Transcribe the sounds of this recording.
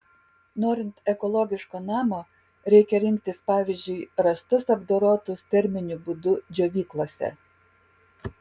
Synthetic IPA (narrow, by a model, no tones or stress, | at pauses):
noːɾʲɪnt̪ɛkɔlˠɔɡʲɪʃkoːnɑːmoː | ɾʲɛɪkʲɛɾʲɪŋʲk̚t̪ʲɪspɑːʋʲɪzʲd͡ʒʲʊɪɾɐst̪ʊsɐbd̪oːɾoːt̪ʊst̪ʲɛɾʲmʲɪnʲʊbʊd̪ʊd͡ʒʲoːʋʲiːklˠoːsʲɛ̰